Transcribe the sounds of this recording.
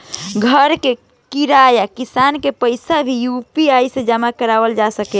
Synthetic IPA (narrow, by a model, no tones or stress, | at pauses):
ɡʱəɾke | kiɾajakisankepəɪsabʱijupiajsẽd͡ʒamakəɾaʋəld͡ʒasəkɛ